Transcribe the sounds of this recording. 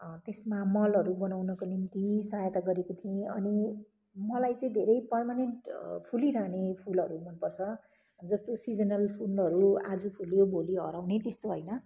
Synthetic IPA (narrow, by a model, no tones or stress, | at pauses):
t̪esmamʌlʌɾubʌnawnʌkonimt̪isajt̪aɡʌɾekot̪ʰiẽʌni | mʌlajt͡sʌĩd̪ʱeɾʌjpʌrmaneɳʈpʰuliɾaɦnepʰulʌɾumʌnpʌrt͡sʰʌ | d͡zʌst̪osid͡zʌnʌlpʰunʌɾua̰d͡zupʰuljobʱoliɦʌ̰ɾawnet̪est̪oɦʌjnʌ